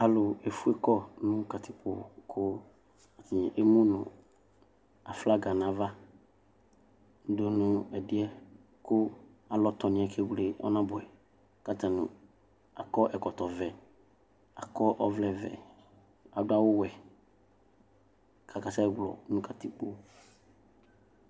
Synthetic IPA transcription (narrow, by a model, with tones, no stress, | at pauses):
a˨lʊ˨e˨fu˦ɛ˦kɔ˦nʊ̃˦ka˨t̪ʰɪ˦po˨kʰʊ˦ | a˨t̪ʰɪ˨ʔe˦mũ˦nʊ̃˨ | a˨fla˦ɡa˨nã˨va˦ | do˨nʊ̃˦ɛ˨dɪ˦ɛ˦ | kʊ˦a˨lɔ˦t̪ɔ˨nɪ̃˨ɛ˨kʰe˦ɡle˨ɔ̰˦nã˦bʊ˨ɛ˨ | ka˦t̪ã˨nʊ̰̃˨ | a̰˨kɔ˦ʔɛ˨kɔ˨t̪ɔ˨vɛ˨ | a˨kɔ˦ʔɔ˦vlɛ˦vɛ̰˨ | a˨dʊ˦a˦wʊ˦wɛ˨ | kʰa˨ka˨sa˦ɡlɔ̰˨˦nʊ̃˦kʰa˨t̪ɪ˦k͡po˦